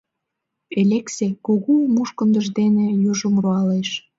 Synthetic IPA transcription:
elʲeksekoɣomuʃkə̆nd̪ə̆ʒd̪enĕjuʒumruɑleʃ

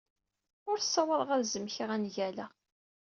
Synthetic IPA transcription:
ʊɾθsːɑwəðˤʁaɾzəmçiʁænʝælæ

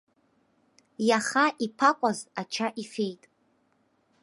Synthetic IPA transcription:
jaχaʔipʰakʷʼazat͡ʃʰaʔifejtʼ

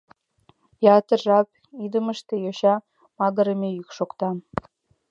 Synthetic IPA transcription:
jɑt̪ɤ̆ʒɑp | id̪ə̆mə̆ʃt̪ejoɕɑ | mɑɣɤ̆ɾəmʲejykʃokt̪ɑ

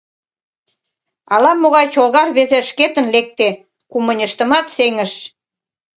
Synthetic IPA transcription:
ɑlɑmoɣɑjt͡ɕolɣɑrβezeʃket̪ə̆nlek̚t̪e | kumənʲəʃt̪ə̆mɑt̪seŋəʃ

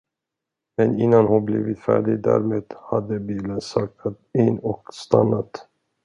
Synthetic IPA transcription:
mɛnɪnːanhʊnbliːvɪt̪fæ̰ːɖɪɡd̪æ̰ɾmeːd̪̥had̪əbiːlənsɑk̚t̪ʰat̪ɪnːɔkst̪anːat̪

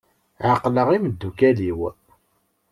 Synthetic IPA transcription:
ʕaqləʁiməd̪ːukæliw

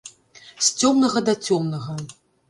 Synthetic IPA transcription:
sʲt͡sʲɔmnɐɣɐd̪ɐt͡sʲɔmnɐɣɐ

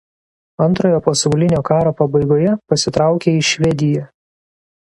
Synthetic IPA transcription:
ɐnt̪ɾoːjoːpɐsɐʊlʲɪnʲoːkɑːɾoːpɐbɐɪɡoːjɛpɐsʲɪt̪ɾɑˑʊkʲeːɪʃʲʋʲɛd̪ʲɪjɛ

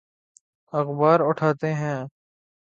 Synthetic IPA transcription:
əxbaːɾʊʈʰaːt̪eɦɛ̃ː

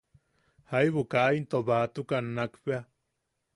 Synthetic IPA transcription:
haiβukaʔint̪oβat̪ukanːakpea

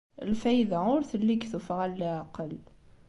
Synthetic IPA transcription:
ə̰lfæjd̪aʊɾθəlːiɡθufʁælːiʕaqəl

